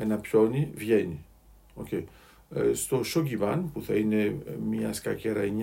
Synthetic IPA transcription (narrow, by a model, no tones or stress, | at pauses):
e̞nɐpço̞nivʝe̞ni | o̞̰cej | st̪o̞ʃocivɐnpuθɐine̞mɲɐskɐceɾɐeɲ